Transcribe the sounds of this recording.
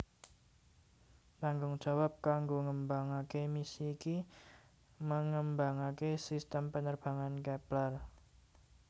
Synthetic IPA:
t̪aŋɡʊŋd̥ʒ̥a̤wap̚kaŋɡoŋəmbaŋakemisiːki | məŋəmbaŋakesist̪əmpənərb̥a̤ŋankɛplar

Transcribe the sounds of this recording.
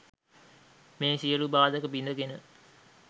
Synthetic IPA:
meːsiəɾubaːd̪əkəbind̪əɡenə

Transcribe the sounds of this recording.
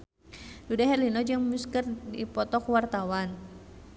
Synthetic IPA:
dudaɦɛrlinɔd͡ʒɨŋmuskərdipɔt̪ɔkuwart̪awan

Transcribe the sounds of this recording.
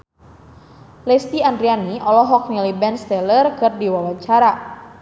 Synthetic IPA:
lɛst̪iandɾianiʔɔlɔɦɔk̚nilibɛnst̪ɛlərkɨrdiwawaɲt͡ʃaɾa

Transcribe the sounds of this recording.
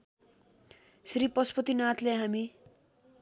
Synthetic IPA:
sripʌspʌt̪inat̪ʰleɦami

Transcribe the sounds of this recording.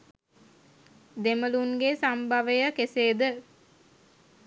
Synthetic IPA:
d̪eməluŋɡesambaʋejəkeseːd̪ə

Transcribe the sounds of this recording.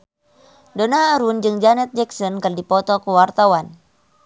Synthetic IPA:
dɔnaːɾund͡ʒɨŋd͡ʒanɛt̪̚d͡ʒɛksɔnkɨrdipɔt̪ɔkuwart̪awan

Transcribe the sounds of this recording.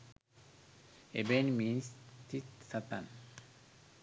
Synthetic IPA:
ebenminst̪it̪sat̪ãn

